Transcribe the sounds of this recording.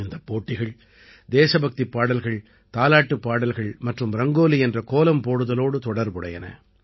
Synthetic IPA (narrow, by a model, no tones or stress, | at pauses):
ɪnd̪ɐpːoːʈːɪɣɐɭ | d̪eːsɐbɐk̚t̪ipːaːɽɐlɣɐɭ | t̪aːlaːʈːɯpːaːɽɐlɣɐɭmɐʈrɯmɾɐŋɡoːliɛndrɐkoːlɐmpoːɽɯðɐloːɽɯt̪ɔɽɐɾpɯɽɐ̰jɐnɐ̰